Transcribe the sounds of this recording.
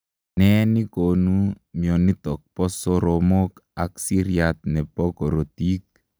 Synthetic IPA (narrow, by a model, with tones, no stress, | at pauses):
nɛ˦ni˦ko˨nu˦ | mjɔ˨ni˦t̪ɔ˨k̚pɔ˦sɔ˦ɾɔmo˦ka˨ksi˦ɾja˨t̪̚nɛ˨pɔ˦kɔ˨ɾo˨ti˦k̚